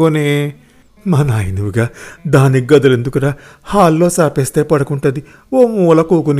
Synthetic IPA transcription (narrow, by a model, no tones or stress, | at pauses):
one | mɐnaːjinuʋuɡaːd̪aːniɡɐd̪ɐlend̪ukuɽahaːlːo̞ːsaːpeːst̪e̞ːpɐɽɐkuɳʈɐd̪i | oːmuːlɐkuːkuni